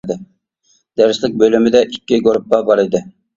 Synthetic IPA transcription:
d̪ɪ | d̪̥æɾslɪk̚ʲbølymɪd̪ɛʔikʲːiɡoɾp̚ːɑbɑɾɪd̪ɪ

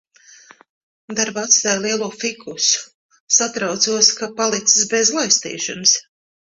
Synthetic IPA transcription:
d̪aɾbat̪st̪ajlˠiɛlˠuːfikʰusu̥ | sat̪ɾawt̪suɔskapalˠit̪sɨ̥sbezlˠajst̪ḭːʃa̰ns

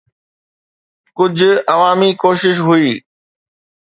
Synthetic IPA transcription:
kʊd͡ʑʱʊɐʋaːmikoːʃɪʃ̬ɦʊiː

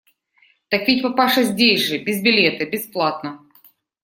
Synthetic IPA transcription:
t̪ɐkvʲitʲpɐpaʂɐzʲdʲesʲʐɨbʲɪzbʲɪlʲet̪ɐbʲɪsplˠat̪nə

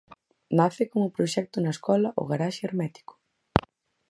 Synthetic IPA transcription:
naθɪkomʊpɾoʃɛk̚t̪ʊnɐeskɔlɐʔo̰ɣaɾaʃeeɾmɛt̪i̥kʊ̥

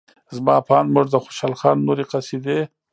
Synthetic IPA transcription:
zmɑpɑːnmʊʐd̪əxo̥ʃɑlxɑnːoɾeqasid̪e

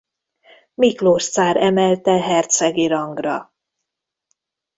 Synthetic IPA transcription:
mikloʃt̪saːɾɛmɛlt̪ɛɦɛrt̪sɛɡiɾɒŋɡrɒ̰

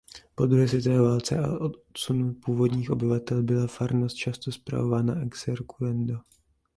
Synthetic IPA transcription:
po̞d̪ɾuɦɛːs̬vʲɛt̪ovɛːvaːlt͡sɛ̰ʔa̰ʔot̪sunupuːvo̞dɲiːxʔo̞bɪvat̪ɛlbɪlafaɾnost̪̚t͡ʃast̪ospɾa̰vo̞vaːnaʔɛksɛɾkulɛndo

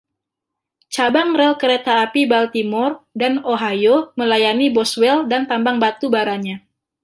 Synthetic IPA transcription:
t͡ʃabaŋrɛlkəɾet̪aːpibalt̪imɔrdanoɦajoməlajanibɔswɛldant̪ambaŋbat̪ubaɾaɲa

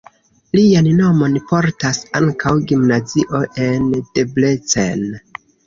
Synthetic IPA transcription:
lianno̞mo̞npo̞ɾtasaŋkʰawɡimnaziʔo̞ʔe̞nd̥eblet͡sen

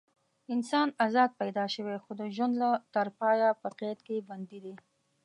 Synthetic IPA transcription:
ɪnsɑnazɑd̪̚pajd̪ɑʃəwexod̪əʒwand̪lat̪aɾpɑjapəqet̪keband̪id̪e

